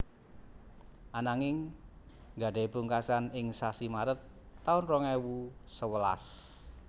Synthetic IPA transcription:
ʔanaŋɪŋ | ɡa̤ɖe̤puŋkasanɪŋsasimaɾət̪ː | aʊnrɔŋɛwusəwəla̰s

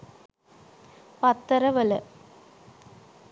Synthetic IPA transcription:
pɐt̪ːɐɾɐʋɐlɐ

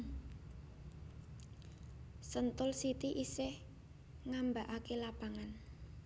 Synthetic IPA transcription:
sənt̪ʊlsit̪iʔiseh | ŋambaʔakelapaŋan

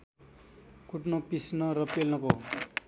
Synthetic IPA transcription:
kuʈnʌpisnʌɾʌpelnʌko

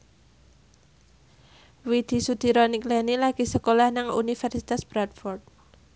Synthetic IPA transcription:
wid̪̥i̤sud̪̥i̤ɾɔniklɛnilaɡ̥i̤səkolahnaŋṵnifɛrsit̪asb̥ɾat̪̚fɔrt̪̚

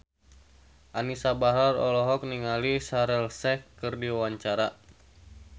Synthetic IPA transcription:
ʔanisabaɦɾarɔlɔɦɔk̚niŋalisaɾɛlsɛkɨrdiwawaɲt͡ʃaɾa

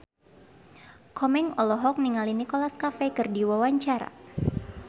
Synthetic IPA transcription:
kʰɔmɛŋɔlɔɦɔk̚niŋalinikɔlaskafekɨrdiwawaɲt͡ʃaɾa̰

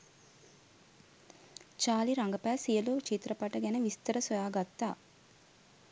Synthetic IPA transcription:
t͡ʃaːliɾaŋɡəpæːsijəloːt͡ʃit̪ɾɐpaʈəɡɛnəʋist̪əɾəsojaːɡat̪ːaː

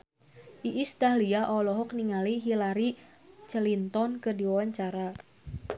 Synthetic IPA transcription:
ʔiʔist̪aliaʔɔlɔɦɔk̚niŋaliɦilaɾi | t͡ʃəlint̪ɔnkɨrdiwawaɲt͡ʃaɾa

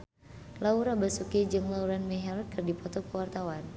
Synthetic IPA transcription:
lauɾabasukɛd͡ʒɨŋlauɾanmɛɦɛlkɨrdipɔt̪ɔkəwart̪awan

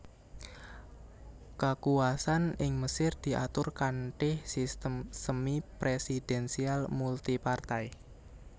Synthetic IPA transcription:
kəkuasanɪŋməsɪrd̪̥i̤ʔat̪ʊrkanʈɪhsist̪əmsəmipɾesid̥ɛnsialmult̪ipart̪aj

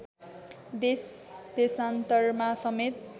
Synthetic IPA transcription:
d̪esd̪̥esant̪ʌrmasʌmet̪

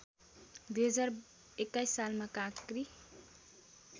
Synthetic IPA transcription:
d̪uɦʌd͡zar | ekːajsːalmakãkri

